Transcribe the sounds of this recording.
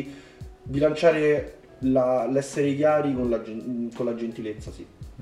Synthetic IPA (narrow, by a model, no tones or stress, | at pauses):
bilant͡ʃaːɾe | lalɛsːeɾekjaːɾikonlad͡ʒkolad͡ʒent̪ilet̪sːasi